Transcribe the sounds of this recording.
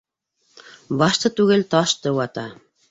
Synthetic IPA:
bɑʃt̪ɤ̆t̪ʉɣɘlt̪ɑʃt̪ɤ̆wɑt̪ɑ

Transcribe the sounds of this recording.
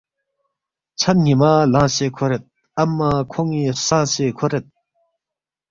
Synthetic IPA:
t͡ɕʰaɲimalaɕeːkʰoɹet̪̚ | amːakʰɔŋːiːsaŋɕekʰoɹet̪̚

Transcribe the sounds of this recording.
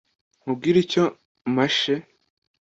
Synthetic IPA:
mub̚ɡiːɾico | maʃe

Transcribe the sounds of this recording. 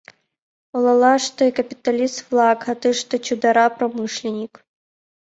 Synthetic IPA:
ɔlˠɐlˠaʂt̪ɔikɐpʲit̪ɐlʲist̪flˠakhɐt̪ɨʂt̪ɔt͡ɕʲud̪ɐɾapɾɔmɨʂlʲinʲik

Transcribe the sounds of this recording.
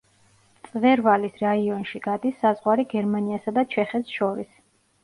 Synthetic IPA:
tssʼvɛɾvalisɾaiɔnʃiɡ̥ad̪isːazʁwaɾiɡɛɾmaniasad̪at͡ʃʰɛχɛt̪ʃɔɾḭs

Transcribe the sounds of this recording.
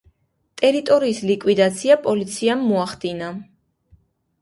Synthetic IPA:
t̪ʼɛɾit̪ʼɔɾiːslikʼwid̪at̪sʰiapʼɔlit̪sʰiamːuaχd̪ina

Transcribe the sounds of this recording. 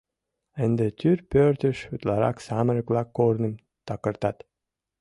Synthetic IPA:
ənd̪et̪ʰyrpøɾt̪əʃut̪lɑɾɑ̰ksɑməɾəklˠɑkːoɾnə̆m | t̪ɑkəɾt̪ɑt̪

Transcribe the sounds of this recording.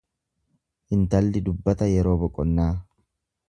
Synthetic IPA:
ʔɪnt̪ɐlːɪd̪ʊbːɐt̪ɐjɛɾo̞ːbɔkʼːɔnːaː

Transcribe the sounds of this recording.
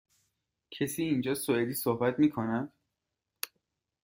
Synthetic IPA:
cʰesiːnd͡ʒɒːsoed̪iːsohbæt̪miːkʰonæd̪̥

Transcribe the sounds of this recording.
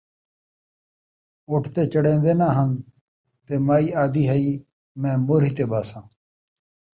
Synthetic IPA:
oːʈʰt̪eːt͡ʃəɽẽːnd̪eːnãːɦənd̪ | t̪eːmaːiːaːd̪iːɦəiː | mɛ̃ːmoːɾiːt̪eːbaːsãː

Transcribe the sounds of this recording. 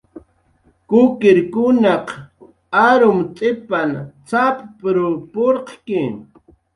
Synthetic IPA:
kʊkɪɾkʊnɑq | aɾʊmt͡s̪ʼɪpant͡sappɾʊpoɾqkɪ

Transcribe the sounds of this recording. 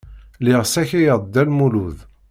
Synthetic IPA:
lɪʁsæçijəˤd̪ːælmuluð

